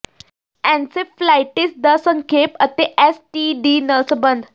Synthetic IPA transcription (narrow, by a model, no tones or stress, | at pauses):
ɛ̃nseflajʈisd̪əsəŋkʰepət̪eʔɛsʈiɖiːnəsəbənd̪ʱ